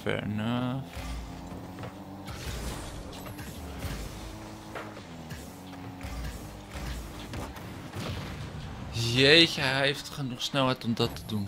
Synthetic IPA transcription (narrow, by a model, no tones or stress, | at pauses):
fɛ̰ɹnə | jejçəɦeftχənuχsnɛlˠɦɛjtɔmdɑtədun